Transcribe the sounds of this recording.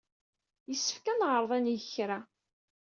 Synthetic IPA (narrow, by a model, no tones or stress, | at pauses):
jəsːə̥fkænʁɾˤðˤænjəçɾæ